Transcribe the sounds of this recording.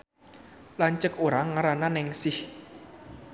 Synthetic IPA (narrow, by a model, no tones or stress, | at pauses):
laɲt͡ʃəkoɾaŋaɾananɪŋsɪh